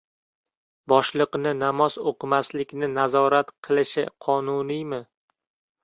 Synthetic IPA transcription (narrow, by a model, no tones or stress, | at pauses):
bɒʃlˠɨqnɪnamɒzoqɨmaslɪkʲnɪnazɒɾat̪qʰɨlˠɪʃɪqʰɒnʊnijmɪ